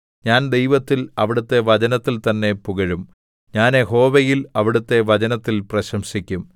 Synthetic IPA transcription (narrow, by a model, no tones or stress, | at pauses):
ɲaːnd̪e̞jʋɐt̪ːilɐʋiɽut̪ːe̞ʋɐt͡ɕɐnɐt̪ːilt̪ɐnːe̞puɣɐɻum | ɲaːneɦo̞ːʋejilɐʋiɽut̪ːe̞ʋɐt͡ɕɐnɐt̪ːilprɐɕɐmɕikʲːum